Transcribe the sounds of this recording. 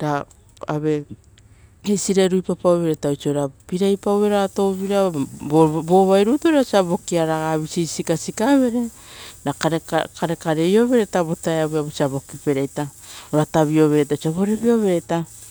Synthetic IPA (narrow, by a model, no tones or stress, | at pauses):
da | aβe̞ | esiɾaɾujpapawβeɾetawt͡ʃiojɾapiɾajpawβeɾato̞βiɾa | bo̞βajɾutoɾasiaβo̞kiaɾaɡaβisisikasikaβe̞ɾe̞ | nakakaɾe̞kaɾe̞jo̞βe̞ɾetaβo̞taeaβeaβosiaβo̞kipe̞ɾejtaoɾataβio̞βe̞ɾejtat͡ʃiaβo̞ɾe̞βio̞βe̞ɾeta